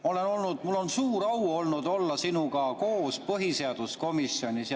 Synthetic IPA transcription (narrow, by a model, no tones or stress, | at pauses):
ole̞no̞lnud̪mulːo̞nsuːɾɑwo̞lnud̪o̞lːɑsinuɡɑko̞ːspɤɦiseɑd̪̥usko̞misjo̞nʲis